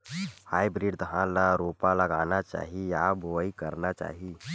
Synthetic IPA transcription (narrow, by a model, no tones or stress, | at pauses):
hajbɾiɖd̪əɦãlaɾopaləɡanat͡ʃa̰ːɦijaboikəɾnat͡ʃa̰ːɦi